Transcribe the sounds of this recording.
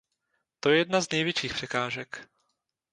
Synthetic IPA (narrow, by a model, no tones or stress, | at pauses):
t̪ojɛjɛd̪naznɛjvjɛt͡ʃiːxpr̥ɛkaːʒɛk